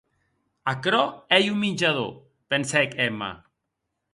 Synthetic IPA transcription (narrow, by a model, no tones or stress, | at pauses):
akɾɔɛjuminʲd͡ʒaðo̰ | pensɛkɛma̰